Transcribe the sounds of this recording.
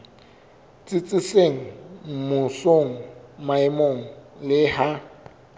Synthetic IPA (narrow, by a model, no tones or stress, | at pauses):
t͡sʼɪt͡sʼɪseŋ̩mʊsoŋ̩maɪmoŋ̩lɪha